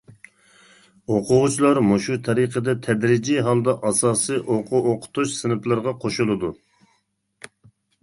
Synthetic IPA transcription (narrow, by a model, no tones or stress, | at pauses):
oqʰʊʁt͡ʃʰilˠɑɾmuʃut̪ʰɑɾiqʰəd̪ɛt̪ʰɛd̪ɾɪd͡ʒiɦɑlˠd̪ɑʔɑsɑːsɨʔoqʰʊoqʰʊ̥t̪uʃsɨnɨplˠɨɾʁɑqʰoʃulˠɨd̪u